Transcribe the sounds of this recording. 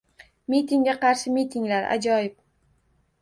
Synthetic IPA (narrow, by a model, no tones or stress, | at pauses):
mit̪ʰɪŋɡʲaqɑɾʃɪmit̪ʰɪŋlaɾa̰d͡ʒɒjɪp̚